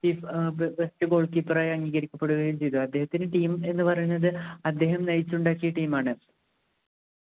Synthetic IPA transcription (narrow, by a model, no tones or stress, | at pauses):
t͡ɕiːfbestɨɡo̞ːɭkiːpːɨraːjɐŋɡiːɣɐɾikʲːɐpːe̞ɽuɣɐjumt͡ɕe̞jt̪ːuɐd̪ːe̞ɦɐt̪ːinɨʈiːme̞nːɨpɐrɐjunːɐðɨɐd̪ːe̞ːɦɐmnɐjit͡ɕːuɳɖaːkːijɐʈiːmaːɳɨ